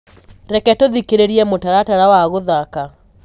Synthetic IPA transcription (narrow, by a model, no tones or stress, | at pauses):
ɾɛkɛtoðikeɾeɾiɛmotaɾataɾawaɣoðaka